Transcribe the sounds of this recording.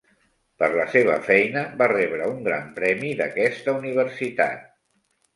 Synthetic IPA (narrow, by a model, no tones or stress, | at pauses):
pəɾləseβə̰fɛjnəbarɛβɾəuŋɡɾa̰mpɾɛmiðəkɛst̪əuniβ̞əɾsit̪a̰t̪̚